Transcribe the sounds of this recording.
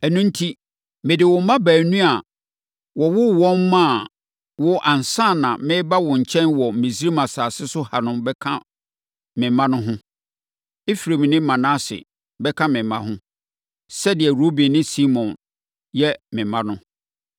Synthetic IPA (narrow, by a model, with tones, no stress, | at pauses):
ɛ˨nũ˦n̩˦tʰi˦ | mɪ̃˨dɪ˨wʊ˨˦mã˦bæː˨nũ˦a˨ | wɔ˨wʊ˦wɔ̃˦mːã˦˨ | wʊ˦ʔã˨n˨sã˦˨nã˨mɪ̃˦ba˦wʊ̃˨ɲ̩˨t͡ɕʰɛ̃˦nwɔ˨m̩˨mĩ˨s̬i˦ɾi˦mã˨saː˨sɪ˦sʊ˦ha˨nʊ̃˦mbɛ˦kʰã˦ | mɪ̃˨mã˦nʊ̃˦ɦʊ̃˦ | e˦fi˨ɾe˨m̃˨nɪ̃˦mã˨nã˦sɪ̰˨ | bɛ˦kʰã˦mɪ̃˨mːã̰˦ɦʊ̃˦ | sɛ˦dɪ˨ɛ˨ɾo˦bi˨nɪ̃˦si˦mɔ̃˨n | jɛ˦mɪ̃˨mã˦nʊ̃˦